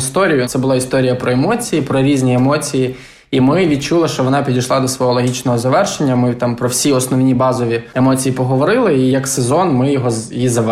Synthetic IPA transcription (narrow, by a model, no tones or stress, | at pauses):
st̪ɔɾʲijʊt̪sɛbʊlˠɑist̪ɔɾʲijɐpɾɔemɔt͡sʲijipɾɔɾʲizʲnʲiemɔt͡sʲiji | imɪʋʲid̪̚t͡ʃulˠɐʃt͡ʃɔʋɔnɑpʲid̪ʲɐjʃlˠɑd̪ɔsʋɔɦɔlˠɔɦʲit͡ʃnɔɦɔzɐʋɛrʃenʲːɐmɪt̪ɑmpɾɔwsʲiɔsnɔʋnʲibɑzɔʋʲiemɔt͡sʲijipɔɦɔʋɔɾɪlˠɪijɐksezɔnmɪjɔɦɔjizɐʋ